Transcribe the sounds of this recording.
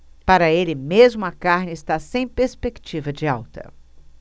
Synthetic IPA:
paɾɐelɪmezmʊɐkaɾnɪɪst̪asẽj̃peɾspekt͡ʃivɐd͡ʒɪawt̪ɐ̰

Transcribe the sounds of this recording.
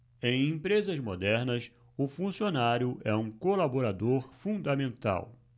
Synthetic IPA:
ẽj̃ẽpɾezɐzmod̪ɛɾnɐs | ʊfũsionaɾjʊʔɛũkolaboɾad̪oɾfũd̪ɐmẽnt̪a̰w

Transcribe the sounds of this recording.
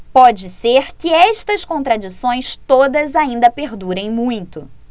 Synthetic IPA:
pɔd͡ʒɪseɾkɪɛʃt̪ɐskõnt̪ɾad͡ʒisõj̃st̪od̪ɐzaĩnd̪ɐpeɾd̪uɾẽj̃mũj̃t̪ʊ

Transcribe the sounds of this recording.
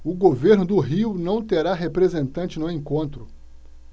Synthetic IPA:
ʊɡoveɾnʊd̪ʊɦiwnɐ̃w̃t̪eɾaɦepɾezẽnt̪ɐ̃nt͡ʃɪnʊẽŋkõnt̪ɾʊ

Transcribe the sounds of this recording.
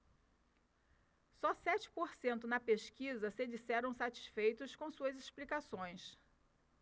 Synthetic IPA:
sɔsɛt͡ʃɪ̥poɾsẽnt̪ʊnɐpeʃkizɐsɪd͡ʒisɛɾɐ̃w̃sat͡ʃi̥sfejt̪ʊskõsuɐzisplikasõj̃s

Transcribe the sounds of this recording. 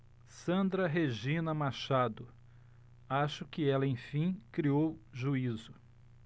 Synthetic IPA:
sɐ̃nd̪ɾɐɦeʒĩnɐmaʃad̪ʊ | aʃʊkɪɛlɐẽj̃fĩkɾiowʒuizʊ

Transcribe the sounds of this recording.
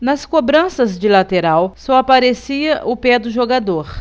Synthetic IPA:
nɐskobɾɐ̃sɐzd͡ʒɪlat̪eɾawsɔapaɾesiɐʔʊpɛd̪ʊʒoɡad̪oɾ

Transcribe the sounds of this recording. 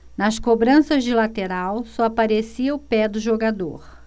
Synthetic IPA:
nɐskobɾɐ̃sɐzd͡ʒɪlat̪eɾawsɔapaɾesiɐʊpɛd̪ʊʒoɡad̪o̰ɾ

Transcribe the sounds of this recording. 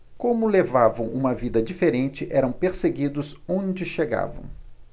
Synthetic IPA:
kõmʊlevavɐ̃w̃ʔũmɐvid̪ɐd͡ʒifeɾẽnt͡ʃɪʔɛɾɐ̃w̃peɾseɡid̪ʊzõd͡ʒɪʃeɡa̰vɐ̰̃w̃

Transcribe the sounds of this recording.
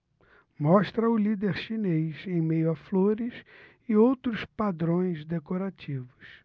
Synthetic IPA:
mɔʃt̪ɾɐʊlid̪eɾʃinejzẽj̃mejʊafloɾɪs | ɪowt̪ɾʊspad̪ɾõj̃zd̪ekoɾat͡ʃivʊs

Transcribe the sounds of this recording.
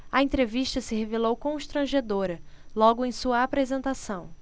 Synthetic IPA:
ɐẽnt̪ɾeviʃt̪ɐsɪhevelowkõʃt̪ɾɐ̃ʒed̪oɾɐlɔɡʊẽj̃suɐapɾezẽnt̪asɐ̃w̃

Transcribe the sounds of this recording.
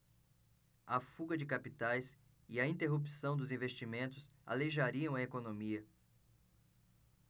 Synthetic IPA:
ɐfuɡɐd͡ʒɪkapit̪ajs | ɪɐĩnt̪eɦupi̥sɐ̃w̃d̪ʊzĩvest͡ʃimẽnt̪ʊsa̰leʒaɾiɐ̃w̃ɐekonõmiɐ

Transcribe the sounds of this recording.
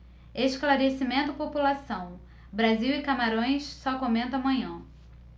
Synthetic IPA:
esklaɾesimẽnt̪ʊpopulasɐ̃w̃ | bɾaziwɪkamaɾõj̃sːɔkõmẽnt̪amɐ̃ɲɐ̃

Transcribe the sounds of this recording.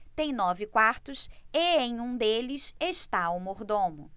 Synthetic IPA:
t̪ẽj̃nɔvɪkwaɾt̪ʊseẽj̃ũd̪elɪseʃt̪aumoɾd̪õmʊ

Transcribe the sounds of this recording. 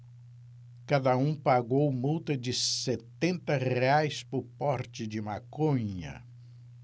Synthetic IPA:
kad̪ɐũpaɡowmuwt̪ɐd͡ʒɪset̪ẽnt̪ɐʁeajspʊɾpɔɾt͡ʃɪd͡ʒɪmakõɲɐ̰

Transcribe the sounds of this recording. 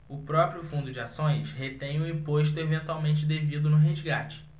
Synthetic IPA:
ʊpɾɔpɾjʊfũnd̪ʊd͡ʒɪasõj̃shet̪ẽj̃ʊĩpoʃ̬t̪ʊevẽnt̪wawmẽnt͡ʃɪd̪evid̪ʊnʊɦeʒɡat͡ʃɪ̥

